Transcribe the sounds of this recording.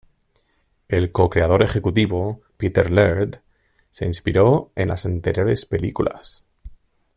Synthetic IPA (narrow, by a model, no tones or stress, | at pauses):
e̞lko̞kɾe̞aðo̞ɾe̞xe̞kut̪iβo | pit̪eɾleɾt̪ | se̞inspiɾo̞e̞nlasant̪eɾjo̞ɾe̞spe̞likula̰s